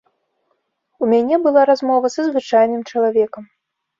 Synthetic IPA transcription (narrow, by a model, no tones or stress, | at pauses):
umʲanʲɛbɨlˠaɾazmɔvɐsɐzvɨt͡ʂajnɨmt͡ʂɐlˠavʲɛkɐm